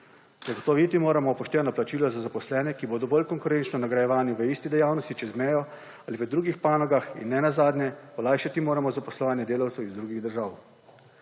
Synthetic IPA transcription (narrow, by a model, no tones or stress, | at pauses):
zaɡɔt̪ɔʋit̪imoːɾamɔpɔʃt̪ɛːnɔplat͡ʃiːlɔzazapɔslɛːnɛkiboːd̪ɔbolkɔŋkʊɾent͡ʃnɔnaɡɾajɛʋaːnjuʋəiːst̪id̪ɛjaːwnɔst̪it͡ʃɛzmɛːjɔ | aliʋəd̪ɾuːɡixpaːnɔɡaxḭnːɛnazaːd̪nʲɛɔlaːjʃat̪imoːɾamɔzapɔslɔʋaːnjɛd̪eːlawt̪sɛwizd̪ɾuːɡiɣd̪əɾʒaːw